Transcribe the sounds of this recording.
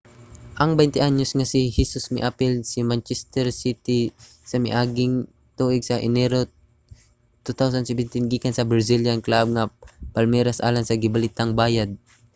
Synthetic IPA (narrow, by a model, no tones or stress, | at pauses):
ʔɐŋbɛjnt̪ɪʔaɲʊsŋɐsɪhisʊsmɪʔapɪlsɪmant͡ʃɛst̪ɛɾsit̪ɪ | sɐmɪ̰ʔaːɡɪŋ | t̪uːʔɪɡsɐʔɪnɛɾo | t̪ut̪awsand̪sɛbɛnt̪ɪnɡikansɐbɾasiljanklab̚ŋapalmɛːɾasʔa̰ːlansɐɡɪbalit̪aŋbaːjad̪̚